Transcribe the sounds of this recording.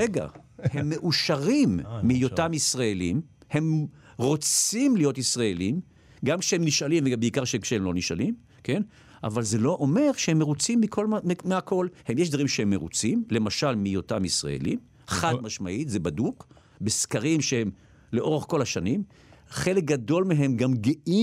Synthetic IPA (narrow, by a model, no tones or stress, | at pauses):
eɡa̰hemːe̞ʔuʃaʁimːijot̪amisʁaelimhe̞m | ʁo̞t͡simlijo̞t̪isʁaelim | ɡamkʃehemniʃalimvebeikaʁʃeemkʃehemlo̞niʃa̰lim | ke̞n | ʔa̰valze̞lo̞ʔome̞ʁʃehe̞mːeʁut͡simːikʰo̞lmmeakʰo̞lhe̞mjeʃd̪vaʁimʃehemːeʁṵt͡simle̞maʃalmijo̞tamisʁa̰ḛlḭm | χad̪̚maʃmaʔit̪zebaduk | beskaʁimʃehe̞m | leʔo̞ʁeχko̞laʃanim | χelek̚ɡado̞lmeɦe̞mɡamɡeʔi